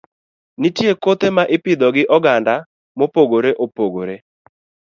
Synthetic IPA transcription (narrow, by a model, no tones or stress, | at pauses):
nitjekot̪emaʔɪpɪd̪ɔɡɪʔɔɡanda | mopoɡoɾeʔopoɡoɾe